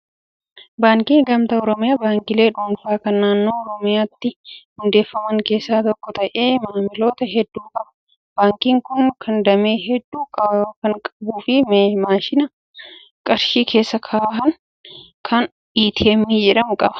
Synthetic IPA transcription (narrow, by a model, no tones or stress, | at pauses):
baːŋkiːŋɡɐmt̪ɐɔɾɔmɪjaːbaːŋkɪle̞ːᶑuːnfaːkɐnːaːnːo̞ːɔɾɔmɪjaːt̪ːɪhʊnd̪e̞ːfːɐmɐŋke̞ːsːaːt̪ɔkːɔt̪ɐʔe̞ːmaːmɪlo̞ːt̪ɐɦɛd̪ːuːkʼɐbɐ̥ | b̥aːŋkiːŋkʊnkʰɐnd̪ɐme̞ːɦɛd̪ːuːkʼɐkɐŋkʼɐbuːfɪmemaːʃɪnɐ | kʼɐɾʃiːkʰe̞ːsːɐkʰaːɦɐŋ | kʰɐn | ᶑiːt̪ʰeːmːiːd͡ʒɛᶑɐmkʼɐbɐ̥